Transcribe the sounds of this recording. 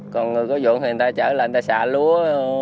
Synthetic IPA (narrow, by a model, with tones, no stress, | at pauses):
kɔ˨˩nŋɨ˨˩jkɔ˨˦zṵ˧˨nhi˨˩ə˨nt̪aː˧jt͡ɕəː˧˩lːnt̪aː˧˩sa̰ː˧˨lu˨˦ə